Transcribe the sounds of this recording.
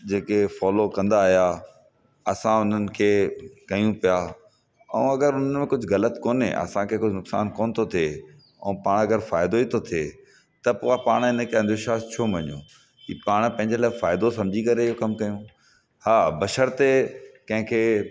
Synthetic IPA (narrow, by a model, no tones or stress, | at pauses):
d͡ʑeːkefɔːlokɐ̃nd̪aːɦija | ɐsãʊn̤ənɪ̆kʰeːkɐjũpija | ɛ̰̃ũɐɡəɾʊn̤ənmẽkʊd͡ʑʱʊɣɐlət̪koːnḛʔɐ̰sãkʰeːkʊd͡ʑʱnʊksa̰ːnkoːnt̪ʰot̪ʰie | ɛ̰̃ːpaːɽ̃ɐɡəɾfaːɪd̪oiːt̪ʰot̪ʰieː | t̪ɐpoːapaːɽ̃ɪnəkʰeɐ̃nd̪əɾʃaːst͡ɕʰoːmɐɲõ̰ | ḭːpaːɽ̃pɐ̃ɪ̃ɲd͡ʑelaːɪfaːɪd̪osɐ̃md͡ʑʱikɐɾeɪɦokɐmkɐjũ | haːbɐʃəɾt̪ekɐ̃ɦɪ̃kʰeː